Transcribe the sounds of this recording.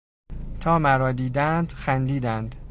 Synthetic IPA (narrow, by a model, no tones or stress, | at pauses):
t̪ʰɒːmæɾɒːd̪iːd̪ænd̪xænd̪iːd̪ænd̪